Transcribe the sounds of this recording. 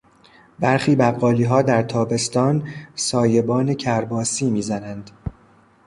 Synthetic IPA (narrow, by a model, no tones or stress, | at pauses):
bæɾxiːbæɢːɒːliːɦɒːd̪æɾt̪ʰɒːbe̞st̪ɒːnsɒːje̞bɒːne̞cʰæɾbɒːsiːmiːzænænd̪̥